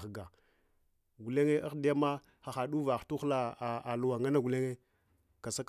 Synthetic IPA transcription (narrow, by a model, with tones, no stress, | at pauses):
ɡa˨ | ɡu˨le˦ŋe˦ʔa˦xdi˦ja˦ma˦ | xa˨xa˨ɗu˦va˨xtu˦xla˦˨a˨lu˦wa˨ŋa˦na˦ɡu˨le˦ŋe˦ | ka˨sa˦k